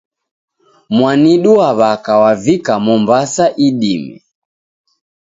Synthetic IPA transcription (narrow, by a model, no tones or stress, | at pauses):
mwaniɗuaβakawavikamɔmbasaʔiɗimiɛ̰